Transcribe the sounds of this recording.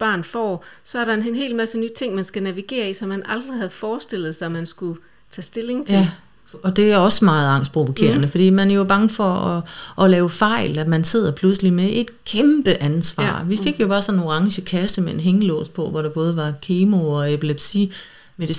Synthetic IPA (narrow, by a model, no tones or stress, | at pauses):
b̥ɑ̰̈ːnfɒ̰ːsɒ̽æɐɾɑ̈e̝nːnɦe̝̰ːlmæsənyːt͡sʰe̝ŋ̰mænsɡ̥ænæʋiɡ̥e̝̰ːɐisɒ̽mːænɑ̈ld̥ʁihæð̩ˠfɒːsd̥e̝l̰ð̞̩ˠsɑ̈ɪɔmːænsɡ̥u | t͡sʰɛ̰ːsd̥e̝le̝ŋt͡sʰje | ɒ̽d̥e̝æɒ̽smɑ̈ːð̩ˠɑ̈ŋ̰sd̥̚pʰʁo̝ʋo̝kʰe̝̰ːɐnəfɒd̥ḭːmænæɐjo̝b̥ɑ̈ŋəfɒ̽ɒʔɒ̽lɛːʊəfɑ̈ɪ̰læmænse̝ð̞̰ˠɐpʰlusəlimeʔe̝d̥kʰemb̥əʔænsʋɑ̰̈ːʋife̝ɡ̥jo̝b̥ɑ̈ːsɒ̽nno̝ʁɑ̈ŋɕəkʰæsəmee̝nɦeŋəlɔ̰̽ːspʰɒ̽ʋɒɾ̥ɑ̈b̥ɔ̽ːð̞ˠəʋɑ̈kʰeːmoɒ̽epʰileb̥si | me̝ði